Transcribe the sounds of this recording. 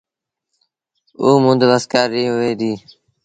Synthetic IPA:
oːmʊ̃nd̪ʋəskaːɾːĩːɦʋeːd̪iː

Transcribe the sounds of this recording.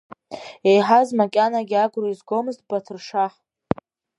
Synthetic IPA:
ejħazmakʲʼanaɡʲiaɡʷroizɡʷo̞mɨztʼbatʰɨrʂaħ

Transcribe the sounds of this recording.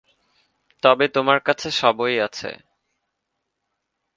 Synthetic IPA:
t̪ɔbet̪omaɾkat͡ɕʰeʃɔbojat͡ɕʰḛ

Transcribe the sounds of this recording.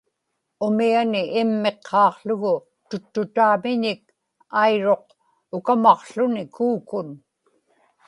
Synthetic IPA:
ʊmianɪʔːmːe̞qʰːɑːqɬʊɣʊ | t̪ʊt̪ːʊt̪aːmɪɲɪk̚ | ajɻo̞q̚ | ʊkamɑqɬʊnɪkuːkʊn

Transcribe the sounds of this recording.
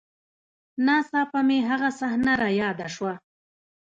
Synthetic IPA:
nɑːsɑpameɦaɣasahnaɾajɑːd̪aʂwa

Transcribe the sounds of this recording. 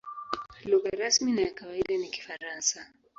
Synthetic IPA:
luɣaɾasminajakawaiɗaniki̥faɾansa

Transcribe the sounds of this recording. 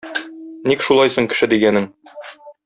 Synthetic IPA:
nikʃulˠɑjsoɴkɘ̆ʃɘd̪iɡænɘŋ

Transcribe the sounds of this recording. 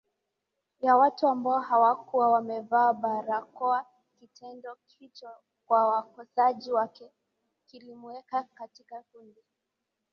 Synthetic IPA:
jawatuambaɔhawakuawamɛvaːɓaɾakɔa | kitɛndɔkʰit͡ʃɔ | kwawakɔsaʄiwakɛ | kilimuɛkakatikafundi

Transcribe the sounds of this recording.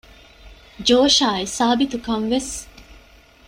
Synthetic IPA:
d͡ʒoːʃaːisaːbit̪ukɐŋʋes

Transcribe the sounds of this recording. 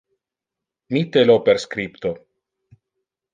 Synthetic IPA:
mit̪elopeɾskɾipt̪o

